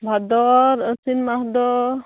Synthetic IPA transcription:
bʱad̪ɔɾəsinmahd̪ɔ

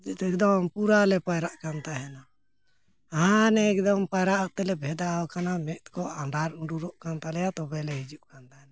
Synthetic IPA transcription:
ɛk̚d̪ɔmpuɾalɛpajɾaʔkant̪aɦɛna | aɦanɛɛk̚d̪ɔmpajɾaʔaʔt̪ɛlɛbʱɛd̪aɔkanamɛʔt̪kɔaɳɖaɾuɳɖuɾɔʔkant̪alɛjat̪ɔbɛlɛɦid͡ʒuʔkant̪aɦɛna

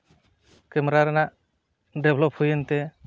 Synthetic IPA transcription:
kɛmɾaɾɛnaʔ | ɖɛbʱlɔphujent̪ɛ

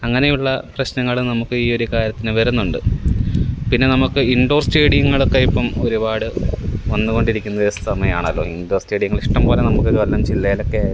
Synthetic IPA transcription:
ɐŋːɐnejuɭːɐprɐɕnɐŋːɐɭnɐmukːɨiːo̞ɾukaːɾjɐt̪ːinɨʋɐɾunːuɳɖɨ | pinːe̞nɐmukːɨiɳɖo̞ːrsʈe̞ːɽijɐŋːɐɭo̞kːejipːɐmoɾubaːɽɨʋɐnːuɣo̞ɳɖiɾikʲːunːɐðest̪ʰɐmɐja̰ːɳɐlːo̞̰ːiɳɖo̞ːrsʈe̞ːɽijŋːɐɭiʂʈɐmpoːlenɐmukːɨkɐlːɐmt͡ɕilːɐjilo̞kːe

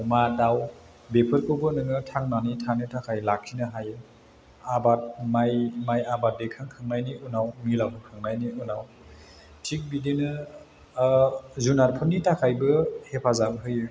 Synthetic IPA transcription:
umadaw | bepʰɯɾkʰɯbɯnɯŋɯtʰaŋnanitʰanitʰakʰajlak̚ʰːinɯɦajɯ | abat̚majmajabat̚dekʰaŋkʰɯŋnajniʔunawmilawɦɯkʰɯŋnajniunaw | tʰik̚bidenɯ | zunaɾpʰɯnːitʰakʰajbɯhepʰazamɦɯjɯ

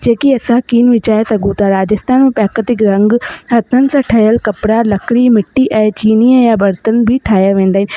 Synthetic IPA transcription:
d͡ʑeːkiɐsãkiːnʋɪt͡ɕaːesɐɡʱũt̪aɾaːd͡ʑɪst̪aːnmẽpɛːkət̪ɪkɾɐ̃ŋɡɦɐt̪ʰənɪ̆sãːʈʰɐɦjəlkɐpɪɽalɐkɽimɪʈːiʔɛ̃ːt͡ɕiːniəjabɐɾt̪ənbʱɪʈʰaːjaʋẽːn̆d̪aːɦɪnɪ

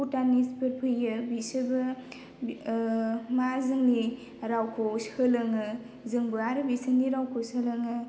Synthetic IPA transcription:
utanispɯɾpʰɯjɯbisɯbɯ | mazɯŋni | ɾawkʰoshɯlɯŋɯ | zɯŋbɯaɾɯbisəniɾawkʰosɯlɐŋɯ

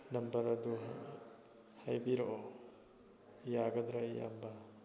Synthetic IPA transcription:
nɐmbɐɾɐdu | hajbiɾoʔo | jaɡɐd̪ɾaja̰mbɐ

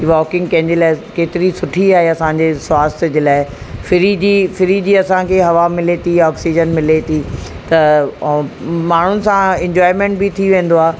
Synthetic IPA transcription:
iʋɔːkɪ̃ŋɡkɐ̃ɦɪ̃ɲd͡ʑeːlaːɪkeːt̪ɪɾisʊʈʰiaːɦeɐsãɲd͡ʑeːswaːst̪d͡ʑeːlaːɪ | fɪɾid͡ʑiːfɪɾid͡ʑiːɐsãkʰeːɦɐʋamɪlet̪ʰiɔːksiːd͡ʑənmɪlet̪ʰi | t̪ɐ | maːɳ̤ʊnɪ̆sãɛ̃ɲd͡ʑɔːɪmẽːɳʈ̚bɪt̪ʰiʋẽːn̆d̪oaː

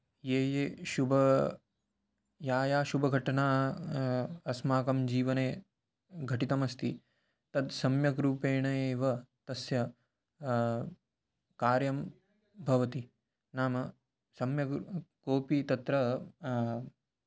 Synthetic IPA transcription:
jeːjeːʃubɐ | jaːjaːʃubʱɐɡʱɐʈɐnaː | ɐsmaːkɐmd͡ʒiːʋɐneː | ɡʱɐʈit̪ɐmɐst̪i | t̪ɐd̪sɐmjɐɡɾuːpeːɳɐjeːʋɐt̪ɐsjɐ | kaːɾjɐm | bʱɐʋɐt̪i | naːmɐ | sɐmjɐkoːpit̪ɐt̪ɾɐ

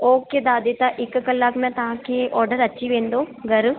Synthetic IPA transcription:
oːked̪aːd̪et̪ãʔɪkkəlːaːkmɛ̃t̪ɐɦãkeʔɔːɾɖəɾɐtːʃʰiʋẽːnd̪oːɡɐɾ

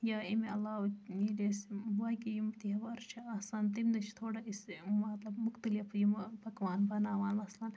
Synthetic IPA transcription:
jaːimeɐlːaːwilesʋɐkijumt̪iɦɐʋɐɾt͡ʃʰiɐhsaːnt̪imd̪ɐt͡ʃʰt̪ʰoːɽaɐismɐt̪lɐbmʊkt̪ɐlifjumpɐkʋaːnbɐnaːʋaːnmɐslaːn

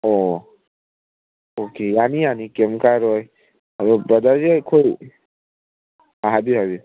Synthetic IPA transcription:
ɔ | okejanianikemkaɾɔj | ɾobəd̪ʱad͡ʒekʰoj | aɦabiɦabi

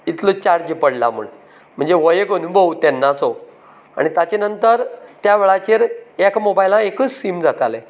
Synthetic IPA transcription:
it̪lot͡ɕaɽd͡ʑipəɽla̰m̤ə̰ɳ | m̤əɳd͡zeʋəjekənubʱəʋt̪ɛnːat͡sɔ | a̰ɽ̃it̪at͡ɕenənt̪əɾt̪jaʋeɭat͡ɕeɾekmobajlãekət͡ssimd͡zat̪ale

